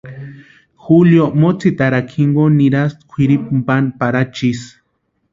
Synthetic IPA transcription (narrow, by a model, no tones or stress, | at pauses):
xuljomot͡sit̪aɾakʰiŋɡoniɾast̪kʷʰiɾip̚mpanpaɾat͡ʃis